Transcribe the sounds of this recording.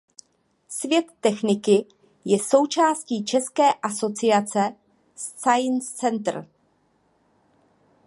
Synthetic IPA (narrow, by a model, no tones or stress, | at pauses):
svjɛt̪ːɛxnɪkɪ | jɛso̞wt͡ʃaːsciːt͡ʃɛskɛːʔaso̞t͡sɪat͡sɛ | st͡sajnst͡sɛnt̪r̩